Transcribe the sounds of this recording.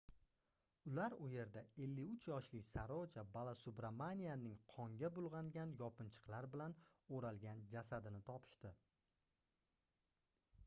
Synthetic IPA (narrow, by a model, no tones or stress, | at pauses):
ʊlaɾʊje̞ɾd̪ae̞lːɪʊt͡ʃʰjɒʃlɪkʲsaɾɒt͡ʃʰabalˠasʊbɾamanijanɪŋqʰɒŋɡʲabʊlˠʁɑŋɡʲanjɒpʰɪnt͡ʃʰɨ̥qlˠaɾbɪlanoɾalɡʲand͡ʒasad̪ɪnɪt̪ʰɒpʰɪ̥ʃt̪ɪ